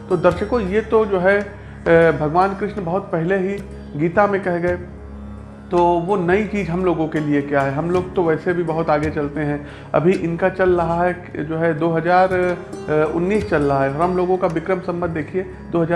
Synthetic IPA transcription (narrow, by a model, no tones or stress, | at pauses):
t̪od̪ɐɾʃəkõjet̪od͡ʒoːɦɛ | bʱɐɡʋaːnkɾɪʃnbɐɦʊt̪̚pɛɦɪleɦi | ɡiːt̪amẽkɛɦɡɐe | t̪oːʋonɐit͡ʃiːzɦɐmloːɡõkeliekjaɦɛɦɐmloːɡt̪oʋɛːsebʱibɐɦʊt̪aːɡet͡ʃɐlt̪eɦɛ̃ | ɐ̰bʱiʔɪnkat͡ʃɐlɾɐɦaɦɛ | d͡ʒoːɦɛd̪oːɦɐzaːɾ | ʊ̰nːiːst͡ʃɐlɾɐɦaɦɛɔɾɦɐmloːɡõkaʋɪkɾəmsɐ̃mbə̃nd̪eːkʰie | d̪oːɦɐzaː